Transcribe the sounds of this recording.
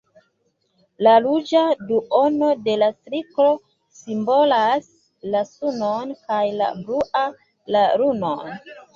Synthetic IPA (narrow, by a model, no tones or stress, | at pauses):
lalud͡ʒaduʔo̞no̞de̞lastɾiklo̞ | simbo̞las | lasunonkajla̰bɾuʔa | laɾuno̰n